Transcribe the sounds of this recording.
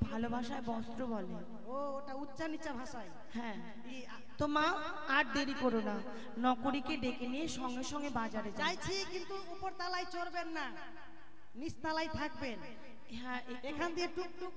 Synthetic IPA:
bʱalobʱaʃaebɔst̪ɾobɔle | ooʈautːɕanit͡ɕːabʱaʃaj | hɛ̃ | e | t̪oma | aʈ̚d̪eɾikoɾona | nɔkoɾikeɖekenieʃɔŋɡeʃɔŋɡebad͡ʑaɾed͡ʑajt͡ɕʰikint̪uupoɾt̪alajt͡ɕoɾbenːa | nist̪alajt̪ʰak̚ben | ɦɛ̃ʔeekʰand̪ieʈuk̚ʈu

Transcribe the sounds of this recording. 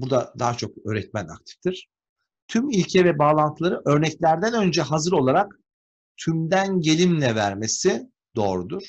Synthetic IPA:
buɾd̪ad̪aːat͡ʃʰo̞kø̞ːɾɛt̪̚mæna̰k̚t̪ʰi̥ft̪ʰiɾ̥ | t̪ʰymilʲcʰɛvɛbaːlˠant̪ʰɯlˠaɾɯʔø̞ɾnɛclʲæɾd̪ænø̞nd͡ʒɛɦazɯɾo̞lˠaɾak | t̪ʰymd̪ænɟe̞lʲimlʲɛvæɾme̞si | d̪o̞ːɾud̪uɾ̥

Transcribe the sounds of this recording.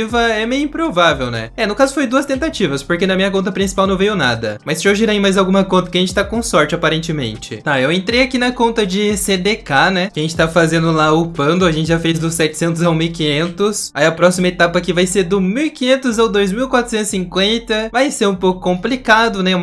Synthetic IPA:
ivɐɛmẽj̃ĩpɾovavewnɛ̰ɛnʊkazʊfojd̪uɐst̪ẽnt̪at͡ʃivɐspoɾkenɐmĩɲɐk̬õnt̪̬ɐpɾĩsi̥pawnɐ̃w̃vejʊna̰d̪ɐmɐjsɪʒowʒiɾẽjmajzawɡũmɐkõnt̪ɐkɪɐʒẽt͡ʃɪ̥t̪akõsɔɾt͡ʃɪapaɾẽnt͡ʃɪmḛ̃nt͡ʃɪ̰t̪aewẽnt̪ɾejakinɐkõnt̪ɐd͡ʒɪsed̪ekanɛkɪɐʒẽt͡ʃɪt̪aɐfazẽnd̪ʊlaʊpɐ̃nd̪ʊɐʒẽt͡ʃɪʒafejzd̪ʊssɛt͡ʃɪ̥sẽnt̪̬ʊzaũmiwkĩɲẽnt̪ʊsaiɐpɾɔsimɐet̪apɐkivajseɾd̪ʊmiwkĩɲẽnt̪ʊzawd̪ojzmiwkwat̪ɾʊsẽt̪ʊsĩŋkwẽnt̪ɐvajseɾũpowkʊ̥kõmplikad̪ʊnɛũm

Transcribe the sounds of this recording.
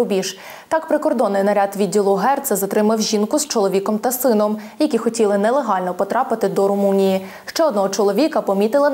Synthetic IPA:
ʊbʲiʃ | t̪ɑkpɾɪkɔrd̪ɔnːɪjnɐɾʲɑd̪ʋʲidʲːilˠʊɦɛrt̪sɐzɐt̪ɾɪmɐwʒʲinkʊz̥t͡ʃɔlˠɔʋʲikɔmt̪ɐsɪnɔmjɐkʲixɔtʲilˠɪnɛlˠeɦɑlʲnɔpɔt̪ɾɑpɪt̪ɪd̪ɔɾʊmunʲiji | ʃt͡ʃɛɔd̪nɔɦɔt͡ʃɔlˠɔʋʲikɐpɔmʲit̪ɪlˠɪ

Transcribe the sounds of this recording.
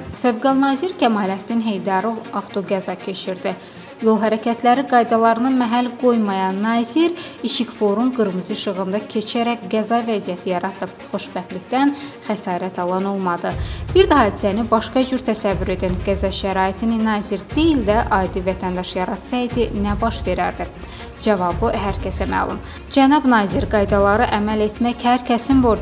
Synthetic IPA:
føvɡɑlˠnɑːziɾcʲʰæmɑːlæt̪ʰninɦe̞jd̪ɑɾɯɑft̪ʰo̞ɡæzɑcʰe̞t͡ʃʰiɾd̪i | jo̞lˠɦæɾæcʰæt̪ʰlæɾiɡɑjd̪ɑlˠɑɾɯnɯmæɦælɡo̞jmɑjɑnːɑːziɾiʃikfo̞ɾumɡɯɾmɯzɯʃɯɣɯnd̪ɑcʰe̞t͡ʃʰæɾækɡæzɑvæzijæt̪ʰijɑɾɑt̪ʰɯpχo̞ʃbæxliçd̪ænxæsɑːɾæt̪ʰɑlˠɑno̞lˠmɑd̪ɯb̥iɾd̪æhɑːd̪isænibɑʃkɑd͡ʒyɾt̪ʰæsævːyɾe̞d̪ænɡæzɑʃæɾɑːit̪ʰininɑːziɾd̪̥ejild̪æʔɑːd̪ivæt̪ʰænd̪ɑʃjɑɾɑt̪sɑid̪inæbɑʃve̞ɾæɾd̪i | d͡ʒævɑbɯɦæɾcʰæsæmæ̰hlˠṵm | d͡ʒænɑbnɑːziɾɡɑjd̪ɑlˠɑɾɯʔæmæle̞t̪ʰmæçhæɾcʰæsimboɾ

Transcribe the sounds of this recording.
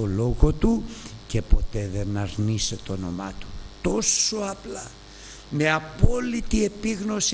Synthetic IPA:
o̞lo̞ɣo̞t̪uce̞po̞t̪e̞ðe̞nɐɾnise̞t̪oono̞̰mɐ̰t̪u̥t̪o̞so̞ɐplɐ | me̞ɐpo̞lit̪ie̞piɣno̞s

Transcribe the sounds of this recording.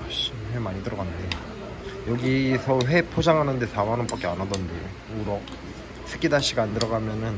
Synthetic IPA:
aɕimhemaɲidɯɾʌɡanɯnde | jʌɡisʰʌɸe̞pʰod͡ʑaŋɦanɯnde̞sʰamanɯnp͈ak͈ianadʌnde | uɾʌ | sʰɯ̥k͈idaɕ͈ʰiɡaandɯɾʌɡamjʌnɯn

